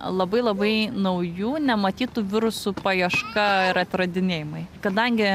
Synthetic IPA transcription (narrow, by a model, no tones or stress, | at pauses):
lˠɐbɐɪlˠɐbɐɪnɐʊjuːnʲɛmɐt̪ʲiːt̪uːʋʲɪɾʊsupɐjɛʃkɐɪɾɐt̪ʲɾɐd̪ʲɪnʲeːjɪmɐɪkɐd̪ɐŋʲɡʲɪ